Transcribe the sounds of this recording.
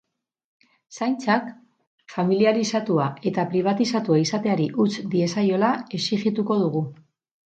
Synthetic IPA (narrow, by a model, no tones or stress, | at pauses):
sajnt͡sak | familiaɾisat̪uae̞t̪apɾiβ̞at̪isat̪uaisat̪e̞aɾiʔut͡sd̪ie̞sajo̞lae̞siɣit̪uko̞ð̞uɣu